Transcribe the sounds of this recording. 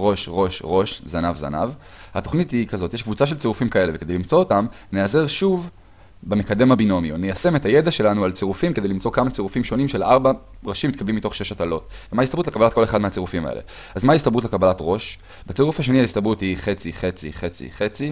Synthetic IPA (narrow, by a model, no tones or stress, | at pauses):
ʁo̞ʃʁo̞ʃʁo̞ʃzanavza̰na̰v | hato̞χnithikazo̞tjeʃkvut͡saʃ̬e̞lt͡seʁufimkae̞leveke̞dejlimt͡so̞otam | ne̞aze̞ʁʃuv | beme̞kad̪e̞mhabino̞mionejase̞metaje̞daʃe̞lanualt͡seʁufimked̪ejlimt͡so̞kamat͡seʁufimʃo̞nimʃe̞lʔaʁba | ʁaʃimːit̪̚kablimːito̞χʃeʃatalo̞tvemaist̪abutlkabalat̚ko̞le̞χad̪meat͡seʁufima̰ḛlḛ | azmaist̪abutlekabalatʁo̞ʃ | bet͡siʁufaʃ̬e̞niaist̪abuthiχe̞t͡siχe̞t͡sḭχe̞t͡sḭχe̞t͡si